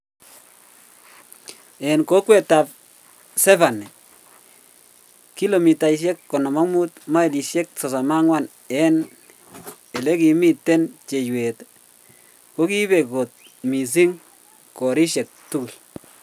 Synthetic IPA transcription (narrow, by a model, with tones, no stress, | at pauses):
ɛ˨nko˦kwɛ˦˨ta˨p̚ | sɛ˦fa˨nɛ˨ | ki˦lo˨mi˨ta˨i˨ʃ̬e˦kːɔ˨nɔ˨ma˦mu˦t̪ma˦i˨di˨ʃe˦k̚sɔ˨sa˨ma˦ŋwa˦˨n | ɛ˦n | e˨le˦ki˨mi˦˨tːe˦nt͡ʃe˨jwe˨t | ko˦ki˦βe˨ko˨t̚ | mi˨s̬i˦ŋ | kɔ˨ɾi˦ʃe˨k̚tu˦ɡu˨l